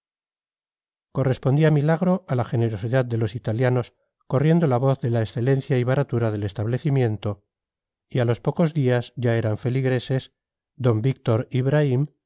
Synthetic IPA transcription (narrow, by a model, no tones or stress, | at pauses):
ko̞re̞spo̞nd̪iamilaɣɾo̞ʔalaxe̞ne̞ɾo̞siðaðːe̞lo̞sit̪aljano̞s | ko̞rje̞nd̪o̞laβo̞θðe̞laesθe̞le̞nθjaiβaɾat̪uɾaðe̞le̞st̪aβle̞θimjẽ̞nt̪o̞ | ialo̞spo̞ko̞zðiazʝae̞ɾaɱfe̞liɣɾe̞se̞s | d̪o̞mbik̚t̪o̞ɾiβɾaim